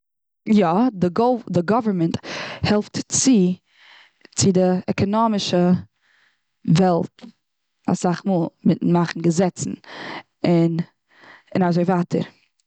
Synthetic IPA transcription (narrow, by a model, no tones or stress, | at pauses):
jɔdəɡɔdɪɡɔvəɹmɛnthɛlˠftt͡sɪ | t͡sɪdɪɛkʰɔnɔmɪʃə | vɛlˠt | a̰saχmuːlˠmɪtn̩maχn̩ɡəzɛt͡sn̩ | ɪn | ɪnazoɪvaːtʰə̰ɾ